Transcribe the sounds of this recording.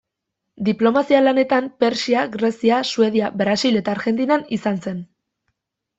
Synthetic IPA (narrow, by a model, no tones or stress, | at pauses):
d̪iplo̞masialane̞t̪ampe̞ɾsiaɣɾe̞siasue̞ð̞iabɾasile̞t̪aːɾɣe̞nt̪inanisanse̞n